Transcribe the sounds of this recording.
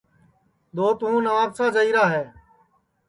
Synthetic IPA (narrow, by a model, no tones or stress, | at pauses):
ɗ̪oːt̪ʊũːnəʋaːksaːd͡ʒəiːɾaːɦeː